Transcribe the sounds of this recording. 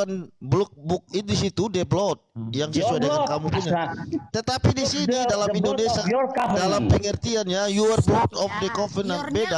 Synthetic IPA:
anblɔk̚bʊk̚ɪt̪̚disit̪udeblɔt̪̚jaŋsəsuadəŋankamupuɲat̪ət̪apidisinidalamindonesiadalampəŋərt̪ianɲajuərblut̪ɔfdəkɔfənabeda

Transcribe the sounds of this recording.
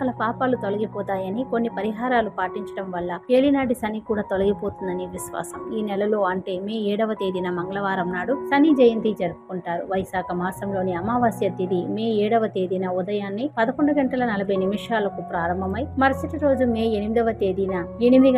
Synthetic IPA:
ɐlɐpaːpaːlut̪o̞lɐɡipɔːt̪aːjɐniko̞nːipɐɾiɦaːɾaːlupaːʈiɲt͡ʃɐ̥ɽɐmʋɐlːɐeːlinaːɖisɐnikuːɽaːt̪o̞lɐɡipoːt̪und̪ɐniʋiʃʋa̰ːsɐmiːnɛlɐlo̞ːɐɳʈe̞ːmeːɛːɽɐʋɐt̪eːd̪inɐmɐŋɡɐlɐʋaːɾɐmnaːɽusɐnid͡ʒɐjɐnd̪id͡ʒɐɾupu̥kuɳʈaːɾuʋɐjsaːkʰɐmaːsɐmlo̞ːniɐmaːʋaːsjɐt̪id̪imeːɛːɽɐʋɐt̪eːd̪iːnɐud̪ɐjaːnːipɐd̪ɐko̞ɳɖɐɡɐɳʈɐlɐnɐlɐbʱɐjnimɐʂaːlɐkupɾaːɾɐmbʱɐmɐjmɐɾɐsɐʈiɾo̞ːd͡ʒumeːenimid̪ɐʋɐt̪eːd̪iːnɐe̞nimid̪i

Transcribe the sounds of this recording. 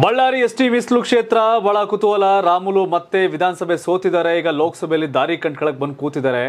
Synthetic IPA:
bɐɭːaːɾiesʈimislukʂeːt̪ɾɐbʱɐɭɐkut̪uʋɐlɐɾaːmulumɐt̪ːeʋid̪ʱaːnɐsɐbʱesoːt̪id̪aːɾeiːɡɐloːksɐbʱejɐlːid̪ʱaːɾikɐɳɖ̚kɐɭɐk̚bɐnd̪kuːt̪id̪aːɾe

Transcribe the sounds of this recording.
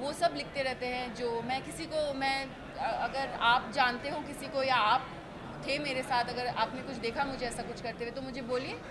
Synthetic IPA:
ʋosɐblɪk̚ʰt̪eɾɛɦt̪eɦɛ̃d͡ʒoːmɛ̃ːkɪsikomɛ̃ː | ɐɡəɾaːp̚d͡ʒaːnt̪eɦũkɪsikojaaːp | t̪ʰemeːɾesaːt̪ɐɡəɾaːpnekʊt͡ʃʰd̪eːkʰamʊd͡ʒʱeɛːsakʊt͡ʃʰkɐɾt̪ewet̪omʊd͡ʒʱeboːlieː

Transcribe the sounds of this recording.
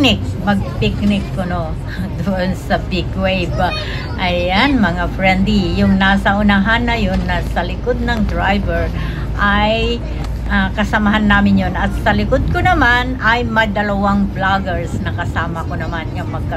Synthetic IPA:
nɪk̚ | mɐɡ̚pɪknɪkːɐno | d̪ʊʔonsɐpɪkwejv | ʔɐjanmɐŋafɹɛnd̪lijʊŋnaːsɐʔʊnaɦanːɐjonːɐsɐlɪkod̪̚nɐŋd̪ɹajbɛɹ | ʔaj | ʔakɐsɐmaɦanːaːmɪnjonɐt̪̚sɐlɪkod̪̚konɐmanɐjmɐd̪ɐlɐwaŋblaɡɛɹsnɐkɐsaːmɐkonɐmanjɐŋmɐɡ̚kɐ

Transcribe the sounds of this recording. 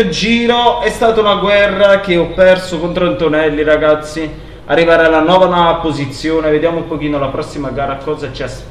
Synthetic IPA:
d͡ʒiːɾoɛst̪aːt̪aunaɡwɛrːakeɔpːɛrsokont̪ɾont̪onɛlːiɾaɡat̪sːi | a̰rːivaːɾealːanwɔːvanapːozit̪sːjoːneved̪jaːmoupok̟iːnolapɾɔsːimaɡaːɾakːɔːzat͡ʃias

